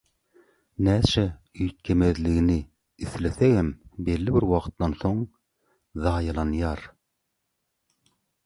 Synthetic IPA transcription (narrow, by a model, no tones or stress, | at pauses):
næsɛyjt̪̚kʲʰemeðlɪɡʲinɪ | iθleseɡæmbelːɪbɪɾwɑqʰt̪ːɑnsoŋ | ðɑːjɑlˠɑnjɑɾ